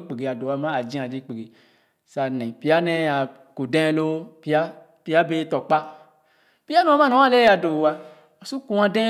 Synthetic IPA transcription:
k͡pe˨ɡe˨a˨do˨a˧mã˦a˨d͡ʒĩ˦a˨d͡ʒi˧˦k͡pe˨ɡe˨ | sa˨nɛ̃˨pi˨˦a˦nɛ̃˦a˨ | ko˨dɛ̃˦lo˦pi˦a˦ | pi˦a˦be˦tɔ˨k͡pa˦ | pi˦a˦nɔ̃˨˦mã˦nõ˨˦ã˦le˦a˧do˨wa˧ | ɔ˨su˦kũ˨˦ã˧dɛ̃˦

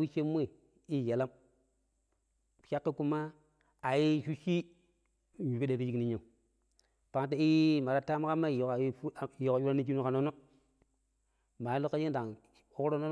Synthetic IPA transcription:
wi˦ʃe˦mʷː˦e˦˨ | i˦je˨la˦m˨ | ʃa˦kːe˦ku˦ma˦ | a˨ji˦ʃu˦ʃi˦˨ | ɲu˨pi˦de˨ɾi˦d͡ʒi˦kni˦ɲa˨u˨ | pa˨ŋ˦te˦i˦ma˨ɾa˦ta˦ma˦ka˦ma˦˨o˨ka˨˦jo˨ka˨˦u˦ɾa˦ni˦k̬i˦nu˦ka˨no˦no˦ | ma˨ji˦lo˦kːa˦d͡ʒi˦n˦da˨ŋ | o˦ɾo˦no˦

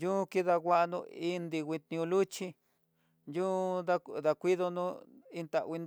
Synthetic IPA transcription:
jũ˦ki˦ða˧ɣʷa˦ʔnṵ̃˧i˦nd̪i˧wʷi˧t̪ĩ˧ũ˧lu˦t͡ʃi˦ | njũ˦ða˦ða˧kʷi˦ðo˧nũ˦i˧nt̪a˨ʔwʷi˧n

